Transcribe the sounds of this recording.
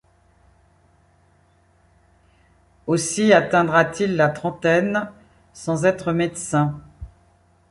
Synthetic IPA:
osiat̪ɛ̃d̪ʁat̪ilːat̪χɑ̃t̪ɛn | sɑ̃zɛt̪χəmed̪sɛ̃

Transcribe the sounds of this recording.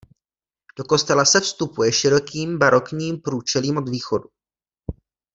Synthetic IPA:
d̥o̞ko̞st̪ɛlasɛfst̪upujɛʃɪɾo̞kiːmbaɾo̞kɲiːmpɾuːt͡ʃɛliːmʔo̞d̪viːxo̞du

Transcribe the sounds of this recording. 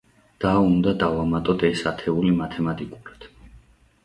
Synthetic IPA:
d̪̥aund̪ad̪avamat̪ʼɔd̪ɛsat̪ʰɛulimat̪ʰɛmat̪ʼikʼuɾad̪̥

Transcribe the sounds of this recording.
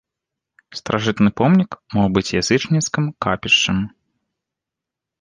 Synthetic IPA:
st̪ɾʔaʐɨt̪nɨpɔmnʲikmɔwbɨt͡sʲjazɨt͡ʂnʲiskɨmkapʲiʂt͡ʂɨm

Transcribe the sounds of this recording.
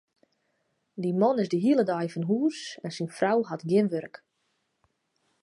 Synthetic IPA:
dimɔnɪzdəɦiələdajfɔnɦuːsɛnsinfrawhatɡjɪnʋørk

